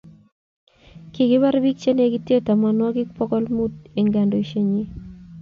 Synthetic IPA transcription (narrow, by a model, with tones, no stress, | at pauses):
ki˨ɡɪ˦ba˦ɾbi˦k̚t͡ʃe˦ne˨ɡi˦tje˦ta˨ma˨nwɔ˦ɡɪ˦k̚pɔ˦kɔ˦lmu˦te˨ŋɡa˨ndo˨i˨ʃe˦ɲi˦